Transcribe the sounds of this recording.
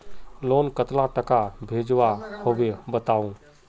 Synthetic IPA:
loːnkət̪lãʈəkabʱeːd͡ʒʋahoʋebət̪aːũː

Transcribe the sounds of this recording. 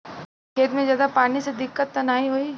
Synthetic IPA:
kʰeːt̪mẽzjaːd̪apaːnised̪ɪkːət̪ːɐnaːiɦoi

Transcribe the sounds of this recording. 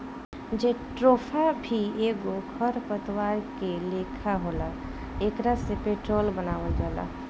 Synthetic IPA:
d͡ʒeːʈɾoːpʰabʱieːɡokʰəɾpət̪waːɾkeleːkʰaɦoːla | eːkɾasepeːʈɾoːlbənaːʋəld͡ʒaːla̰

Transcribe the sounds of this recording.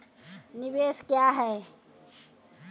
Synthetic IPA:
nɪbeːskjaːɦɛː

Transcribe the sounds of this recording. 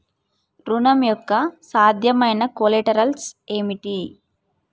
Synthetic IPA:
ɾunɐmjɔkːɐsaːd̪ʱjɐmɐjnɐkoleʈɐɾɐlseːmiʈi

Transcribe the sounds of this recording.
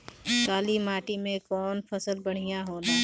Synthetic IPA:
kaːlimaːʈimẽkɔːnpɐsəlbɐɽ̤ɪjãɦoːlaː

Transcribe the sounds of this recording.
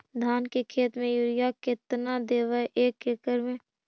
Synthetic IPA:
d̪ʱaːnkekʰeːt̪mẽjʊɾɪjakɪt̪nad̪eːʋəʔeːkːɪkəɾmẽ

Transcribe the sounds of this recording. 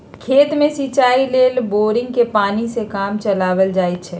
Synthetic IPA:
kʰeːt̪mẽsit͡ʃaːileːlboːɾɪ̃ŋɡ̚kepaːnisekaːmt͡ʃəlaːʋəld͡ʒaːit͡ʃʰɛː

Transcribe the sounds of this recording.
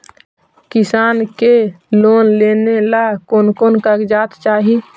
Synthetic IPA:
kisaːnke | loːnlenelakoːnkonkəɡd͡ʒaːt̪t͡ʃaːɦi

